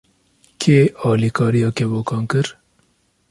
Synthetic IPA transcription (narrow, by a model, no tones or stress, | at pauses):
keːɑːlikɑːɾijɑːkeboːkɑːnkəɾ